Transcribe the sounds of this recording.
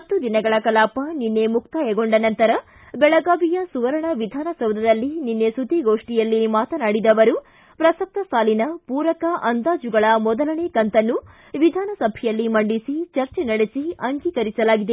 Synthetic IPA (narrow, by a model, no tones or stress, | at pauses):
ɐt̪ːud̪inɐɡɐɭɐkɐlaːpɐninːe̞muk̚t̪ajɛɡoɳɖɐnɐnt̪ɐɾɐ | bɛɭɐɡaːbijɐsuʋɐɾɐɳɐʋid̪ʱaːnɐsɐwd̪ɐd̪ɐlːininːe̞sud̪ʱiɡoːʂʈijɐlːimaːt̪ɐnaːɽid̪ɐʋɐɾu | pɾɐsɐk̚t̪ɐsaːlinɐpuːɾɐkɐʔɐnd̪aːd͡ʒuɡɐɭɐmɔd̪ɐlɐɳekɐnt̪ɐnːu | ʋid̪ʱaːnɐsɐbʱɛjɐlːimɐɳɖisit͡ʃɐɾt͡ʃenɐɽesiɐŋɡiːkɐɾisɐlaːɡid̪e